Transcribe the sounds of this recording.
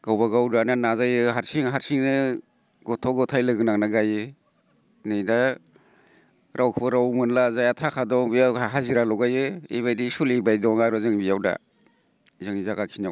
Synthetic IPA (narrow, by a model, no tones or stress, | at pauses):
ɡ̥awbaɡawdananazajɯɦaɾsiŋɦaɾsiŋnɯ | ɡɔtʰɔɡɔtʰajlɯɡɯnaŋnaɡajɯ | nɯjda | ɾʔawkʰɯbɯɾawmɯnlazajatʰakʰadɔŋbijawaɦaziɾalɔwɡajɯḭβajdisulibajdɔŋaɾɔzɯŋbijawda̰ | zɯŋzaɡakʰina